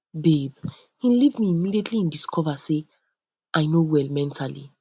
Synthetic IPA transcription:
beb | hĩlivmiːmidietʰliĩndiskʰɔvase | ʔajnowɛlmɛ̃ntʰalḭ

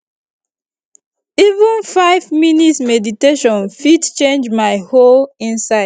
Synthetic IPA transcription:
ivə̃nfaɪvminitsmɛditeʃɔ̃nfidt͡ʃẽnd͡ʒmaɪholĩnsaɪ

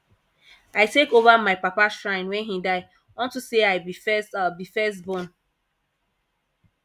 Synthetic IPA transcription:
aɪtekovamaɪpapaʃɹãɪ̃nwɛ̃nɦidaɪ | ɔ̃ntuseaɪbifɛstabifɛs̬tbõn

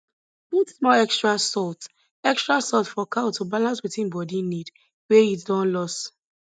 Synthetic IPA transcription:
b̥utsmɔlɛkstɹasɔlt | ɛkstɹasɔltfɔkʰatʰubalãnswiθĩnbɔdinid | wɛitdɔ̃nlɔs

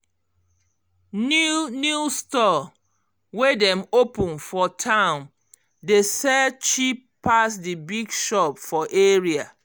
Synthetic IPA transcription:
nunjustɔ | wedɛ̃mopũnfɔtʰãʊ̃n | desɛt͡ʃippːasdibiɡʃɔpfɔʔeɹia

